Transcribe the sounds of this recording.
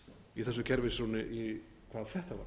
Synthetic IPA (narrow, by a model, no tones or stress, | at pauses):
iθɛs̬ːʏcʰɛɾvɪsɾuwnɪʔi | kʰvaːðθɛht̪ava̰ɾ